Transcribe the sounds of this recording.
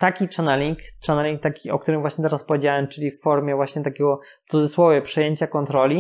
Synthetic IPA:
t̪akʲit͡ʂanɛlʲikt͡ʂanɛlʲiŋk̚t̪akʲiʔɔ̰k̚t̪uɾɘmvwaɕɲɛt̪ɛɾaspɔvjed͡ʑawɛmt͡ʂɘlʲifːɔɾmʲjɛvwaɕɲɛt̪akʲɛɡɔ | t̪sud̪zɛswɔvɛpʂɛjeɲt͡ɕakɔnt̪ɾɔlʲi

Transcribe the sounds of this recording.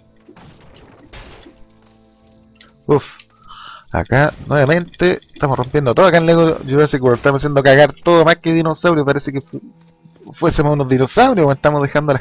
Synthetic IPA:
uf | a̰kanweβame̞nt̪eet̪amosro̞mpjend̪ot̪ooakaenleɣo̰juɾosikoɾoet̪amoisjend̪okaɣaɾt̪oðomakeðinosawɾjopaɾeseke | fwesemosunoðinosawɾjowet̪amoðexand̪ola

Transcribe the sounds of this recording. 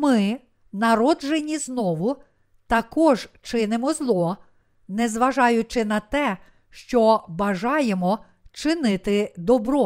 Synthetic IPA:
mɪ | nɐɾɔʒenʲiznɔʋʊ | t̪ɐkɔʒt͡ʃɪnɪmɔzlˠɔ | nɛzʋɐʒɑjʊt͡ʃɪnɐt̪ɛ | ʃt͡ʃɔbɐʒɑjemɔ | t͡ʃɪnɪt̪ɪd̪ɔbɾɔ

